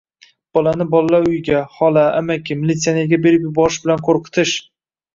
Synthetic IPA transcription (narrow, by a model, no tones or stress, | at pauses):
b̥ɒlanɪbɒlaːaʊjɡʲahɒlaamakʲɪmilʲit̪sijaneɾɡʲabe̞ɾɪp̬jʊbɒɾɪʃbɪlanqʰoɾqʰɨ̥t̪ʰɪʃ